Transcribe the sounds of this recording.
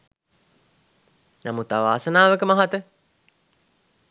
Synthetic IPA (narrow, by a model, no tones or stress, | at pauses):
namut̪aʋaːsənaːʋəkəmaɦat̪ə